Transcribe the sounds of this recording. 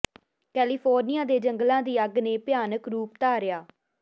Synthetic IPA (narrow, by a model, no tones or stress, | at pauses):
kɛːliːpʰoːɾnɪjaːd̪eːd͡ʒəŋɡlãːd̪iːəɡnẽːpɪjaːnəkɾuːp̚t̪aːɾɪjaː